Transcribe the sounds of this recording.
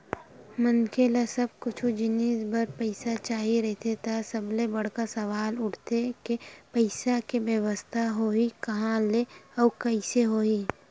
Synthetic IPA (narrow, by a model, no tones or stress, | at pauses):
mənkʰelesɐb̚kʊt͡ʃʰud͡ʒɪniːsbəɾpəɪsat͡ʃaːɦiɾɛɦt̪ʰet̪ʰasɐblebɐɽ̤kasɐʋaːlʊʈʰt̪ekepəɪsakebjəʋəst̪ʰaɦoːikɐɦãleɔːkɐɪseɦoːi